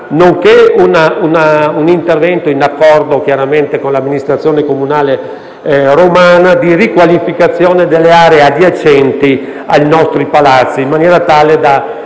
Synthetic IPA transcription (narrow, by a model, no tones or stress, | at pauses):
noŋkeunaunaunint̪ervɛnt̪oinakːɔrd̪ok̟jaɾament̪ekonlamːinist̪ɾat̪sjoːnekomunaːle | romaːnad̪irikwalifikat̪sːjoːned̪elːeaːɾead̪iat͡ʃːɛnt̪i | ajnɔst̪ɾipalat̪sːiːmːanjɛːɾat̪aːled̪a